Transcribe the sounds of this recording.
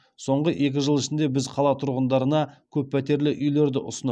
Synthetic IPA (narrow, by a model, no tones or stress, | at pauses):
so̞ɴʁəʔe̞kʲɪʒəlˠɪʃɪnd̪e̞bɪzqʰɑlˠɑt̪ʰʊɾʁənd̪ɑɾənɑkʲʰɵpːʰæt̪e̞ɾlɪʔʏjle̞ɾd̪ɪʔʊsənə